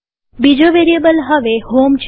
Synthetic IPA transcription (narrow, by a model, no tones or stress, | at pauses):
bid͡ʒoʋeɾiəbəlɦəʋehomt͡ʃʰ